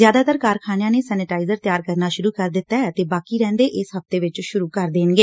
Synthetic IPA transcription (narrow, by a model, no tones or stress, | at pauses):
zjaːd̪aːt̪əɾkaːɾkʰaːnjãːneːsɛːnɪʈaːɪzəɾt̪jaːɾkəɾnaːʃʊɾuːkəɾd̪ɪt̪ːaːɛt̪eːbaːkiːɾɛ̃ːnd̪eːʔɪsɦəft̪eːʋɪt͡ʃʃʊɾuːkəɾd̪eːnɡeː